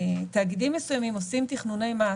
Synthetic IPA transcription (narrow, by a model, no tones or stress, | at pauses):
t̪aːɡidimːesujamimo̞simt̪iχnune̞jmaː